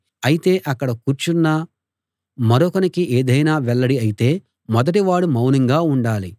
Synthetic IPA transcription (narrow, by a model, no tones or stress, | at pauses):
ɐjit̪e̞ːʔɐkːɐɽɐkuːɾt͡ʃunːa | mɐɾɔkɐnikiʔeːd̪ɐjnaːʋɛɭːɐɽiɐjit̪e̞ː | mɔd̪ɐʈiʋaːɽumɐwniŋɡaːuɳɖaːli